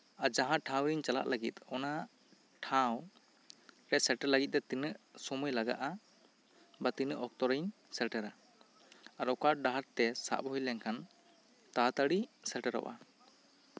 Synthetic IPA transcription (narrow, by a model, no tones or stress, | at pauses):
ad͡ʒaɦãʔʈʰãwɾiɲt͡ʃala̰ʔləɡit̪ɔna | ʈʰãw | ɾɛt̪̚sɛlʈɛɾləɡit̪̚t̪ɛt̪inəʔsɔmujlaɡa̰ʔa | bat̪inəʔɔk̚t̪ɔɾaɲ | sɛlʈɛɾa | aɾɔkaɖaɦaɾt̪ɛsa̰ʔbɔɦijlɛŋkʰan | t̪at̪aɽisɛlʈɛɾɔ̰ʔa̰